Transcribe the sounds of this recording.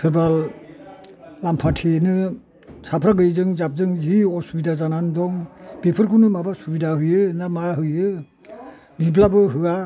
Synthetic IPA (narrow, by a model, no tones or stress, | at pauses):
tʰɯɾbal | ampʰatʰenɯ | sapʰɾaɡɯjzɯŋzap̚zɯŋziɔsubidazanandɔŋbepʰɯɾkʰunɯmabasubidaɦɯjɯnamaɦɯjɯ | biblabɯɦɯa